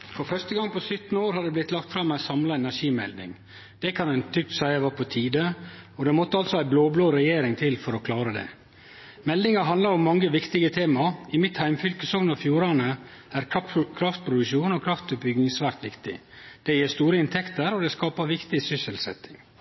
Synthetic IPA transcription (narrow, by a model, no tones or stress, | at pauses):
fɔfœʂt̪əɡɑŋːpɔsʏt̪noːɾhɑd̪ɛblɪt̪lɑkt̪fɾɑmæɪsɑmlɑɛnæʂiːmɛ̰ld̪nɪ̰ŋ | d̪̥ɛkʰɑnæɪnt̪ʰʏk̚t̪sæɪæʋɑpʰɔt̪ʰiːd̪əɔd̪ɛmɔt̪ːəɑlt̪sɔæɪbloːbloːɾɛjeːɾɪŋt̪ʰɪlfɔɾɔkʰlɑːɾəd̪ɛ̰ | mɛld̪ɪŋɑɦɑnd̪lɑɾʊmːɑŋːəʋɪkt̪ɪɡət̪ʰeːmɑɪmɪt̪hæɪmfʏlkəsɔŋnɑfjuːɾɑnəæɾkkʰɾɑft̪̚pʰɾʊd̪ʉʃuːnɔkʰɾɑft̪bʏɡnɪŋsʋæːɾt̪ʋɪkt̪ɪ̰ | d̪̥ɛjeːst̪uːɾəɪnt̪ʰɛkt̪əɾɔd̪ɛskɑːpɑʋɪkt̪ɪsʏsəlsɛ̰t̪ːɪŋ